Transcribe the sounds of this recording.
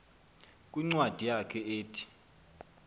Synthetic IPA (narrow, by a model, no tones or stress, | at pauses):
kʼiŋ͡ǀwad̥ʱijakʰɛeːtʰi̥